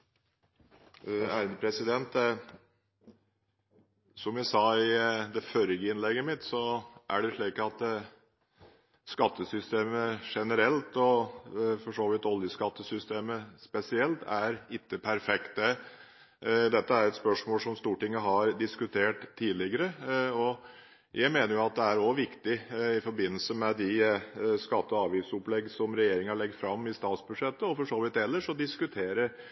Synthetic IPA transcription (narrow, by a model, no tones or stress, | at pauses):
æːɾənəpʰɾɛsɪd̪ɛnt̪ | sɔmjæɪsɑːɪd̪ɛfœɾɡəɪnlɛɡːəmɪt̪sɔʔæ̰ɖɛʂɭiːkɑt̪ | skɑt̪ːəsʏst̪eːməʂɛnəɾɛlt̪ɔfɔʂoːʋɪt̪ɔljəskɑt̪ːəsʏst̪eːməspɛsɪɛlt̪æɾɪk̪ːəpʰæɾfɛkt̪̚d̪ɛ | d̪ɛt̪ːəæɾɛt̪spœʂmoːlsɔmst̪uːʈɪŋːəɦɑɾd̪ɪskʉt̪ʰeːʈt̪ʰːiːlɪɡəɾəɔ | jʔæɪmeːnəɾjʊɑt̪̚d̪ɛæɾɔʋɪkt̪ɪɪfɔɾbɪnːəl̩səmɛd̪ɪskɑt̪ːəɔɑːʋisʊplɛɡsɔmɾɛjeːɾɪŋɑɭɛɡəfɾɑmːɪst̪ɑːt̪sbʉd̪ʂɛt̪ːəɔfɔʂoːʋɪt̪ɛlːəʂɔd̪ɪskʉt̪ʰeːɾəɾ